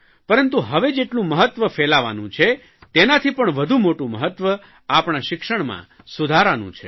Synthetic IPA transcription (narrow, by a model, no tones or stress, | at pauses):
pəɾənt̪uɦəʋed͡ʒeʈlũməɦət̪ʋəfelaʋa̰nṵ̃t͡ʃʰe | t̪enat̪ʰipəɳʋəd̪ʱumoʈũməɦət̪ʋə | apɳaʃɪkʂəɳ̃mã̰ | sud̪ʱaɾanṵ̃t͡ʃʰe